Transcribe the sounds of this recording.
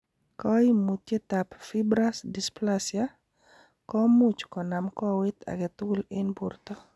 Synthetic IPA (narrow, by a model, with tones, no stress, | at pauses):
kɔ˦i˦mu˨t̪je˦t̪a˨pfi˦bɾa˦sdisplasja | kɔ˦mu˦t͡ʃkɔ˨namkɔ˦wɪ˦t̪a̰˨ɡɛ˨t̪ʊ˦lɪ˦nbu˨rt̪ɔ˦